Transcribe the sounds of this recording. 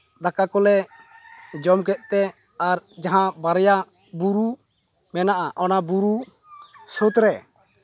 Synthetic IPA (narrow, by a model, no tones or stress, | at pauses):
d̪akakɔlɛ | d͡ʒɔmkɛʔ̪̚ˀt̪ɛ | aɾd͡ʒaɦãbaɾjabuɾu | mɛnaʔaʔɔnabuɾu | sot̪ɾɛ